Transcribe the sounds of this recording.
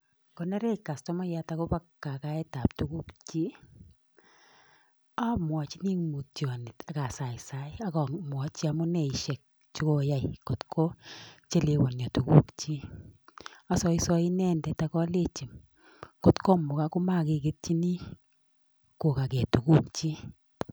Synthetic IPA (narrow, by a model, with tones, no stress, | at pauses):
kɔ˨nɛ˦ɾɛ˦ka˨stɔ˦mɔ˦ja˦ta˨kʊ˦pa˦kːa˨ka˨˦ɛ˦ta˨p̚tu˦ku˦kt͡ʃi˦ | a˦mwɔ˨t͡ʃi˦ni˦ŋmu˨tjɔ˨nɪ˨ta˨ka˨sa˨ɪsa˦ɪ˦a˦kɔ˨mwɔ˨t͡ʃi˦a˨mʊ˦nɛ˨iʃɛ˨k̚ | t͡ʃu˦ko˦ja˦jko˨tkʰo˦t͡ʃe˦le˨wɔ˨njɔ˨tu˨ku˦kt͡ʃi˦ | a˨sɔ˨i˦sɔ˦i˦nɛ˦ndɛ˨ta˨kɔ˦le˦t͡ʃi˨m | ko˨tkɔ˦mʊ˨ka˦ku˦ma˦ke˨ke˦t̚t͡ʃi˦ni˦ | ko˨ka˨kɛ˨tu˨ku˦k̚t͡ʃi˦